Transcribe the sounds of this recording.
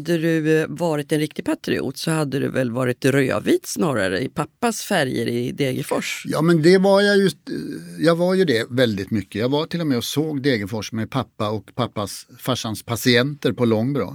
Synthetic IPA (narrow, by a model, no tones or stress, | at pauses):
d̪ːəd̪ɵvɑːɾɪt̪ɛnɾɪkt̪ɪɡ̚pʰat̪ɾɪ̰ṵːt̪sɔhad̪ːəd̪ɵ̰vɛlvɑːɾɪt̪ɾøːa̰viːt̪snɑːɾa̰ɾə̰ɪpʰapːasfæɾjə̰ɾɪd̪eːɡəfɔʂjɑːmɛnd̪ɛvaɾjajɵ | jɑːɡvaɾjɵd̪ɛvɛld̪ɪt̪mʏkːəjɑːɡvaʈʰɪlːɔmɛɔsoːɡd̪eːɡəfɔʂmɛpʰapːaɔkpʰapːasfaʂːanspʰasɪɛnt̪əɾpʰɔlɔŋːbɾɑ̰ː